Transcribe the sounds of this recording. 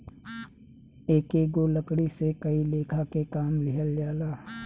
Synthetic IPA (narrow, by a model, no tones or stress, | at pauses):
eːkeːɡoləkɽisekɐileːkʰakekaːmlɪɦəlːjaːlaː